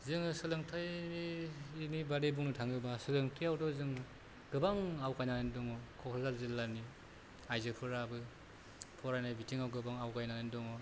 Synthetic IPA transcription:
zɯŋɯsɯlɯŋtʰajiinibaɾebuŋnutʰaŋɯbasɯlɯŋtʰɯjawdɔzɯŋ | ɡ̥ɯbaŋawkajnanendɔŋɔkʰɔkʰɔzalzilːani | ajzɯpʰɯɾabɯ | pʰɔɾajnajbitʰiŋawɡɯbaŋawkajnanendɔŋɔ

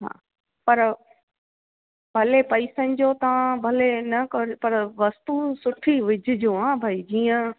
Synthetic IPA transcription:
ɦa̰ː | pɐɾ | bʱɐlepɐɪsənɪ̆d͡ʑot̪ɐʋãbʱɐlenɐkɐɾpɐɾʋɐst̪usʊʈʰiʋɪd͡ʑʱɪ̆d͡ʑoɦãːbʱaːid͡ʑiːə̃

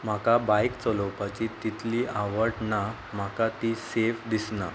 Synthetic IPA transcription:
m̤akabajkt͡sɔlɔpat͡ɕit̪it̪ʰliːʔaʋəɾʈna | m̤akat̪isefd̪isna̰

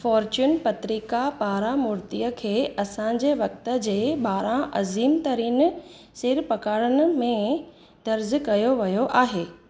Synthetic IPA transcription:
fɔːɾt͡ɕuːnpɐt̪ɾiːkapaːɾamʊɾt̪ijəkʰeːɐsã̆d͡ʑeʋɐk̚t̪ə̆d͡ʑeːbaːɾãʔɐziːmt̪ɐɾiːn | sɪɾpɐkaːɽənə̆mẽ | d̪ɐɾzkɐjoʋɐjoʔaːɦeː

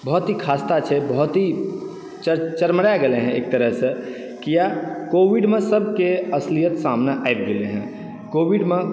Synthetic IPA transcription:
bɔɦʊt̪ɦikʰaːst̪at͡ʃʰebɔɦʊt̪ɦi | t͡ʃət͡ʃəɾmɽaɡəleɦɛ̃ḛːk̚t̪əɾəɦsẽ | kijakoːʋiɖmẽsəb̚ʱkeɐslijət̪saːmnaʔaeb̚d̪ɪleɦɛ̰̃ | koːwiɖmẽ

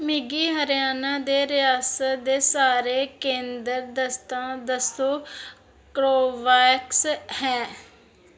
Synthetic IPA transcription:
mɪɡiːɦəɾɪjaːnãːd̪eːɾɪjaːsət̪d̪eːsaːɾeːkẽːnd̪əɾd̪əst̪ãːd̪əst̪oː | kɾoːʋaːkshɛ̃ː

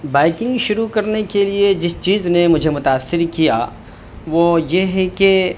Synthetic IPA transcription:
baːɪkɪ̃ŋɡʃʊɾukɐɾnekelied͡ʒɪst͡ʃiːznemʊd͡ʒʱemʊt̪aːsːɪɾkija | ʋoːjeɦɛke

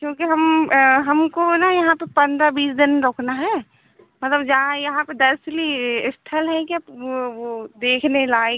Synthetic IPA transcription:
kjõːkiɦɐmɦɐmkonɐjɐɦãpepɐ̃nd̪ɾabiːsd̪ɪnɾoːkʰnaɦɛː | mɐt̪ləbd͡ʒɐɦãjɐɦãped̪ɐsliɪst̪ʰəlɦɛ̃kiɐpʋod̪eːkʰnelaːe

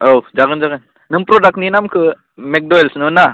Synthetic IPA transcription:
owd͡ʒaɡɯnd͡ʒaɡɯn | nɯmpɾoɖak̚ninamkɯ | mek̚ɖoelsnɯna

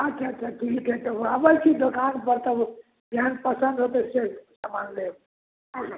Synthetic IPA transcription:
at͡ʃʰaət͡ʃʰaʈʰiket̪əabəjkʰid̪okanbəɾt̪ə | d̪ʱjanpəsə̃nd̪ʱɦot̪esesamanleb

